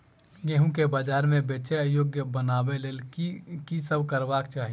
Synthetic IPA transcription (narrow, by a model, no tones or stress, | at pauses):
ɡẽɦũkebaːd͡ʒaːɾmẽbeːt͡ʃejoːɡjəbənaːbeleːlkisəbkəɾʋaːkt͡ʃaːɦi